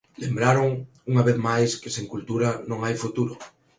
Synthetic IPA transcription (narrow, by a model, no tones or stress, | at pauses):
lembɾaɾoŋ | uŋaβeθmajskɪseŋkult̪uɾanõŋajfut̪uɾʊ